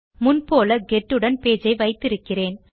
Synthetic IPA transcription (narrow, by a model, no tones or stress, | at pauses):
mʊnpoːlɐɡɛʈːɯɽɐnpeːd͡ʒɐɪʋɐɪt̪ːɪɾɯkːɪreːn